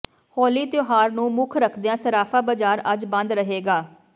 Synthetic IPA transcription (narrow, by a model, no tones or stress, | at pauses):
hɔːliːt̪ɪjoːɦaːɾnũːmʊkʰɾəkʰd̪ejãːsəɾaːfʰaːbəd͡ʒaːɾəd͡ʒbə̃nd̪ɾəɦeːɡaː